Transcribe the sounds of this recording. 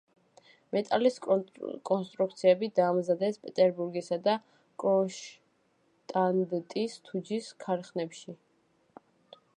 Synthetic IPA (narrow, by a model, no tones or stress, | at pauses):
mɛt̪ʼaliskʼɔnst̪ʼɾukʰt̪sʰiɛbid̪aːmzad̪ɛspʼɛt̪ʼɛɾbuɾɡisad̪a | kʼɔʃ | t̪ʼand̪ɛt̪ʼist̪ʰud͡ʒiskʰaɾχnɛpʃi